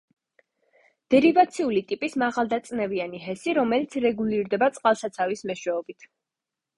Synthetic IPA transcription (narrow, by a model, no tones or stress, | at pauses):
d̪̥ɛɾivat̪sʰiulit̪ʼipʼismaʁalˠd̪at̪sʼnɛvianiɦɛsiɾɔmɛlit̪sʰɾɛɡuliɾd̪ɛbat̪sʼqʼalˠsat̪sʰavismɛʃwɛɔbit̪ʰ